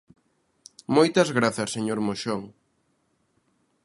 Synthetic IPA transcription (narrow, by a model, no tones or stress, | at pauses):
mojt̪ɐzɣɾaθɐsːeɲoɾmoʃoŋ